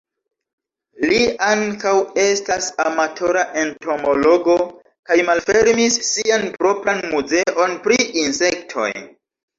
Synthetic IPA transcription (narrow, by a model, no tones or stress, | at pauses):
liaŋkawe̞stasamatʰo̞ɾaʔe̞ntʰo̞mo̞lo̞ɡo̞ | kajmalfe̞ɾmisːianpɾo̞pɾanmuze̞ʔo̞npɾiʔinse̞ktʰo̞̰j